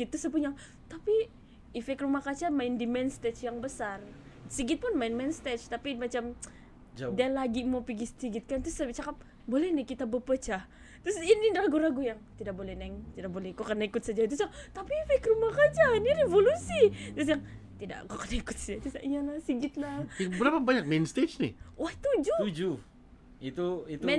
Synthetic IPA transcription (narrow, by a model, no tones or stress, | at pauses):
ɡit̪ːusəpuɲaŋ | t̪api | ifɛkrumahkat͡ʃamaɪndimɛnst̪ɛt͡ʃjaŋbəsar | siɡɪt̪̚pʊnmaɪnmɛnst̪ɛt͡ʃt̪apimat͡ʃam | dalaɡimopiɡist̪iɡɪt̪̚kant̪ʊsabt͡ʃakap̚ | bolɛhnɛkit̪abəpət͡ʃah | t̪ɾʊsinindaaɡuɾaɡujaŋt̪idak̚bolɛhnɛŋt̪idaʔ̚bolɛhkokənaikʊt̪sad͡ʒat̪usat̪apifakrumahkad͡ʒaniɾevolusit̪ɾʊs̬jaŋt̪ida̰ʔkukərnaikʊt̪̚sad͡ʒat̪usaʔiɲanasiɡɪt̪̚labənapabaɲak̚menst̪et͡ʃnɪ̰waht̪ud͡ʒuud͡ʒu | it̪uit̪mɛ